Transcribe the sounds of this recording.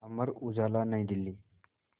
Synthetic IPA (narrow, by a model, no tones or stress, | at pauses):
əməɾud͡zalanaĩd̪ilːiː